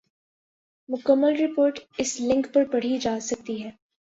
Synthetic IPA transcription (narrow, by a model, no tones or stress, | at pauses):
mʊkəmːəlɾɪpoːɾʈɪslɪ̃ŋkpɐɾpɐɽ̤id͡ʒaːsɐk̚t̪iɦɛː